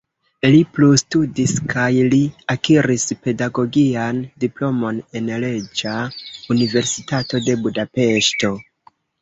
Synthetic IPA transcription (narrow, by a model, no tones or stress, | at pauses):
liplustudiskajliakiɾispe̞daɡo̞ɡiandiplo̞mo̞ne̞nle̞d͡ʒaunive̞ɾsitato̞de̞budape̞ʃto̞